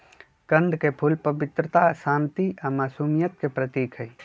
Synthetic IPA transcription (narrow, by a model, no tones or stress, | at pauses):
kə̃nd̪ʱkepʰulpəbɪt̪ɾət̪asaːnt̪iamaːsuːmijət̪̚kepɾət̪iːkʰɦəi